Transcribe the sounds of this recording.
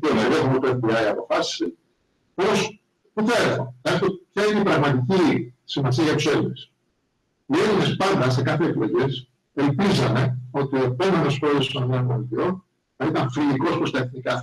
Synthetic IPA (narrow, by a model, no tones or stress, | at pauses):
olɐðexonot̪uepuɾɐiɐpo̞fɐsi̥si | omos | puθɐeɾxoθɐexopçɐineipɾɐɣmɐt̪icisimɐs̬iɐʝɐt̪u̥se̞lines | ie̞line̞spɐnd̪ɐse̞kɐθe̞ːpilo̞ʝes | e̞lpizɐne̞o̞t̪ioe̞po̞me̞no̞spɾoðossonomɐnponit̪io̞n | ɐit̪ɐɱfiliko̞spɾo̞st̪ɐe̞θnikɐ